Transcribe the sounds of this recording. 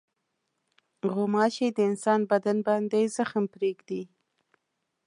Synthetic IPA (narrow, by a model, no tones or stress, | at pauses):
ɣomɑʃed̪əɪnsɑnbad̪anbɑnd̪ejzəxmpɾeɡd̪i